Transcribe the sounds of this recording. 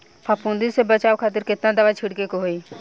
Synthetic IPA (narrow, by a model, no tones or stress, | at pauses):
pʰaːpũːnd̪isebət͡ʃaːokʰaːt̪̬ɪɾkɪt̪nad̪ɐʋat͡ʃʰɪɽkekoɦoi